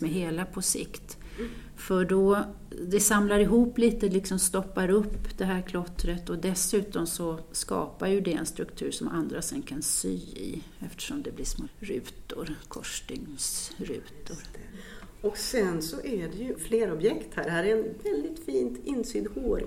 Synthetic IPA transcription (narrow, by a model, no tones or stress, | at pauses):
mɛɦeːlapʰɔsɪ̰kt̪ | fœɖɔ | d̪ɛsamlaɾɪɦuːpːliːt̪əlɪksɔmst̪ɔpːaɾɵpːd̪̥ɛɦæːɾkʰlɔt̪ːɾət̪ɔd̪ɛsʉ̟ːt̪ɔmsɔskɑ̰ːpaɾjɵd̪ɛɛ̰nst̪ɾɵkt̪ʰʉ̟ːɾʂɔmʔand̪ɾasɛnkʰansyːɪ̰ | ɛft̪ə̥ʂɔmd̪ɛblɪʂmoːɾʉ̟̰ːt̪ʊɾkʰɔʂʈɪŋsɾʉ̟̰ːt̪ʊɾ | ɔksɛnsɔʔæɖɛjɵfleːɾɔbjɛkt̪hæɖɛhæːɾɛɛnvɛld̪ɪt̪fiːnt̪ɪnːsyːd̪hoːɾ